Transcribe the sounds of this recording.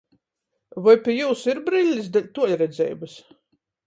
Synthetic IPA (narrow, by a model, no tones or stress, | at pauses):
vɔjpʲiɛjuːsiɾbɾilʲːisd̪alʲt̪uɔlʲɾɛd̪zʲɛ̰ːjbɨs